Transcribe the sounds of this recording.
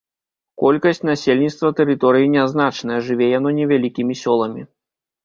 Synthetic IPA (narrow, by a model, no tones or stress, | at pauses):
kɔlʲkɐsʲt͡sʲnasʲelʲnʲit̪st̪vɐt̪ɛɾɨt̪ɔɾɨjinʲɛznat͡ʂnɐjɐʐɨvʲɛjan̪ɔnʲɛvʲalʲikʲimʲisʲɔlˠɐmʲi